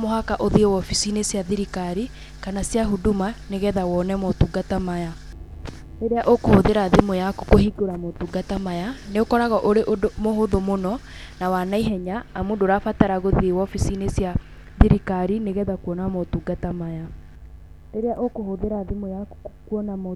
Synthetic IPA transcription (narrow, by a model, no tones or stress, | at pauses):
moɦakaʔoðiewɔfisinesjaðiɾikaɾi | kanasjaɦudumaneɣɛðawɔnɛmɔtuːɡatamaja | ɾeɾeaʔokohoðeɾaðemojako̥kohiɡoɾamotuːɡatamajaneokɔɾaɣɔʔoɾeʔomohoðomonɔ | nawanaiɦɛɲaːmondoɾafataɾaɣoðiewɔfisinesja | ðiɾikaɾineɣɛðakwɔnamotuɡatamaja | ɾeɾeaʔokohoðeɾaðemojakkwɔnamo